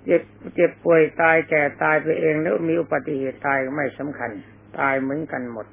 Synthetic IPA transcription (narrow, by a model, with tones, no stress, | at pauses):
ke˧˩p̚ke˨˧˩p̚ːu˨˩əjt̪aː˧jkɛː˨˩t̪aː˧jpʰa˧ʔeː˧ŋnɛ˦˥˧miː˧ʔu˧˩pa˧t̪ːi˧heː˨˩t̪ːaː˧jma˥˩jsa˨˦mkʰa˧n | t̪aː˧jmɯ˨˦ə˦˨nka˧nmo˨˩t̪̚